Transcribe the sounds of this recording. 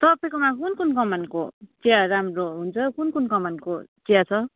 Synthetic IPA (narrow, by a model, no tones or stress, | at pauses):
t̪ʌpʌjkomakunkunkʌmankot͡sejaɾamroɦunt͡sʰʌkunkunkʌmankot͡sejat͡sʰʌ